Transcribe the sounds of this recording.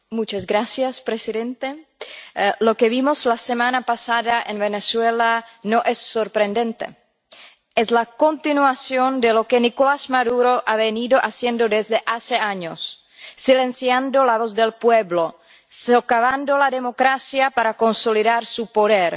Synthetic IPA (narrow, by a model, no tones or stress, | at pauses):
mut͡ʃazɡɾasjaspɾesiðent̪e | lokeβimoslasemanapasaðaʔenβeneswelanoʔesːoɾpɾend̪ent̪ḛ | eslako̞nt̪inuasjond̪elo̞kenikolazmaðuɾoʔaβeniðoʔasjend̪od̪ezd̪eʔaseaɲo̰sː | ile̞nsjand̪olaβozd̪elpweβlo | sokaβand̪olaðe̞mo̞kɾasjapaɾako̞nsoliðaɾsupoðeɾ